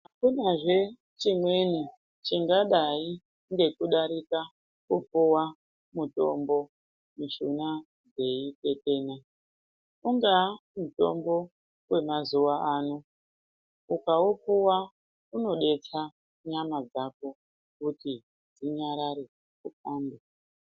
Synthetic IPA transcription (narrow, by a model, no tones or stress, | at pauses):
akunaʐe̞ | t͡ʃimwe̞ni | t͡ʃiŋɡaɗai | ŋɡe̞kuɗaɾika | kupuwa | muto̞̰mbo̞ | miʃuna | d͡ze̞ite̞teːna | uŋɡamuto̞̰mbo̞ | we̞mazuwaaːnu | ukaupuwa | uno̞ɗe̞t͡sa | ɲamad͡zako̞ | kuti | d͡ziɲaɾaɾe | kupaːnbe